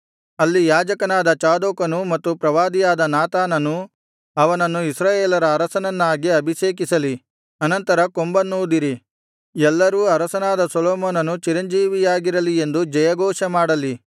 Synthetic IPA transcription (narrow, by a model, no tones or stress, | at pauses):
ɐlːijaːd͡ʒɐkɐnaːd̪ɐt͡ʃaːd̪oːkɐnumɐt̪ːupɾɐʋaːd̪ijaːd̪ɐnaːt̪aːnɐnu | ɐʋɐnɐnːuisɾaːjeːlɐɾɐːɾɐsɐnɐnːaːɡiɐbʱiʃeːk̬isɐli | ɐnɐnt̪ɐɾɐkombɐnːuːd̪iɾi | ɛlːɐɾuːɐɾɐsɐnaːd̪ɐsoloːmoːnɐnut͡ʃiɾɐɲd͡ʒiːʋijaːɡiɾɐlie̞nd̪ud͡ʒɐjɐɡɔːʂɐmaːɽɐli